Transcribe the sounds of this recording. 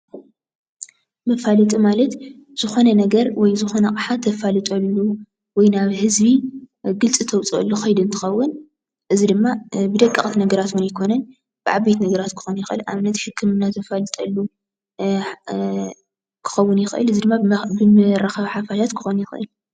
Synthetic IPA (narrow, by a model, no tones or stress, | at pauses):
mɐfalɨt̪ʼimalɐt̪ | z̥ɨxo̞nɐnɐɡɐɾwɔjzɨxo̞nɐkʼɨħat̪ʰːɐfalɨt̪ʼɐlːu | wɔjnaβhɨzbiɡɨlt͡sʼɨt̪ʰɐwt͡sʼɐ̰lːuxɐjd̪ɨnt̪ʰɨ̥xɐwːʊn | ʔɨzid̪ɨmːabɨd̪ɐkʼːɐxʼt̪nɐɡɐɾat̪wunajkʰo̞nɐn | b̥ɨʕaβbet̪nɐɡɐɾat̪kʰɨ̥xonjɪxʔɨ̰lʔa̰βnɐt̪ħɨkʰːɨmɨnːat̪ʰɐfalɨt̪ʼɐlːu | kʰɨ̥xɐwːʊnjɪxʔɨ̰lɨzid̪ɨmːabɨmɨɾaxɐβħafaʃat̪kʰɨ̥xonjɪxʔɨ̰l